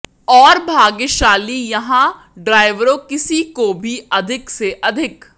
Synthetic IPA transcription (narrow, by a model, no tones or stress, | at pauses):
ɔːɾbʱaːɡeʃaːlijɐɦã | ɖɾaːɪʋɾõkɪsikobʱiɐd̪ʱɪkseʔɐd̪ʱɪk